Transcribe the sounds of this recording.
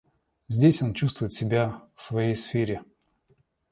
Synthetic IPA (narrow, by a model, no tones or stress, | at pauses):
zʲdʲesʲo̞nt͡ɕust̪vʊjɪt̪sʲɪbʲafsvɐjejsfʲeɾʲɪ